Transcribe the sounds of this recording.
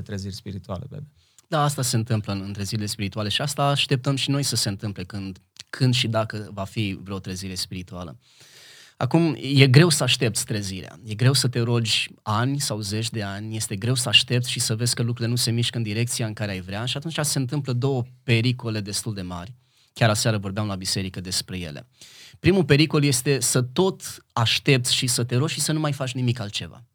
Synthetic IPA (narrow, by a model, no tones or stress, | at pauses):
t̪ɾəzirʲspiɾit̪ua̰lepebe | d̪aːst̪ase̞ɨnt̪ɨmpləɨnt̪ɾəziɾile̞spiɾit̪uale̞ʃiast̪aːʃt̪e̞p̚t̪əmʃino̞jsəseɨnt̪ɨmple̞kɨnd̪ | kʰɨnd̪ʃid̪akəvafivɾeoot̪ɾəziɾe̞spiɾit̪ualə̰ | a̰kumje̞ɡɾe̞wsəaʃt̪e̞p̚t̪sʲt̪ɾəziɾea̰je̞ɡɾe̞wsət̪e̞ɾo̞d͡ʒʲanʲsawze̞t͡ʃʲd̪e̞anʲje̞st̪e̞ɡɾe̞wsəaʃt̪e̞p̚t̪sʲʃisəve̞z̥ʲkəlukɾuɾilenuse̞miʃkəɨnd̪iɾe̞k̚t̪sijaɨŋkaɾeajvɾeaʃiat̪unt͡ʃase̞nt̪̬ɨmpləd̪o̞wəpe̞ɾiko̞le̞d̪e̞st̪uld̪e̞ma̰rʲ | kʲjaɾasaɾəvo̞rbeamlabise̞ɾikəd̪e̞spɾe̞je̞̰lḛpɾimupe̞ɾiko̞lje̞st̪e̞sət̪o̞t̪aʃt̪e̞p̚t̪sʲʃisət̪e̞ɾod͡ʒʲʃisənumajfat͡ʃʲnimikalt̪̚t͡ʃe̞va̰